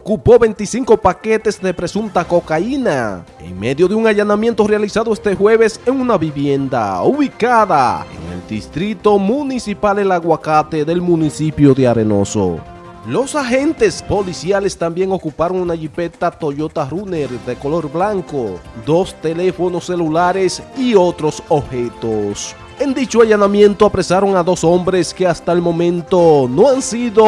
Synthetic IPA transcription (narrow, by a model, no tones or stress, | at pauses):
okupo̞βe̞nt̪isiŋko̞pake̞t̪e̞zðe̞pɾe̞sunt̪ako̞kaina | e̞̰ŋme̞ðjo̞ðeuŋaʝanamje̞nt̪o̞realisaðoest̪e̞xwe̞βe̞se̞ŋunaβiβje̞nd̪a̰uβikaða̰ḛŋḛld̪ist̪ɾit̪o̞munisipalelaɣwakat̪e̞ðe̞lmũnisipjo̞ðeaɾe̞no̞̰so̰ | lo̞saxe̞nt̪e̞spo̞lisjale̞st̪ambje̞ŋo̞kupaɾo̞ŋunaʝipe̞t̪at̪o̞ʎo̞t̪aruneɾðe̞ko̞lo̞ɾblaŋkod̪o̞st̪e̞le̞fo̞no̞sːe̞lulaɾe̞sio̞t̪ɾo̞sobxet̪os | e̞nd̪it͡ʃoaʝanamjent̪oapɾe̞saɾo̞ŋaðo̞so̞mbɾe̞skeast̪aelmõ̞mẽnt̪ono̞ansiðo